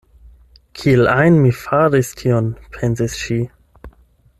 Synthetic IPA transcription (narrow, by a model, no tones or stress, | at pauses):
kʰielajnmifaɾistʰionpʰensisʃi